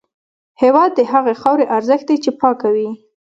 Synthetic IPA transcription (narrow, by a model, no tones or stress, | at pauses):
hewɑd̪̚ːəɦaɣexɑwɾeʔaɾzəxt̪̚d̪ajt͡ʃepɑkawi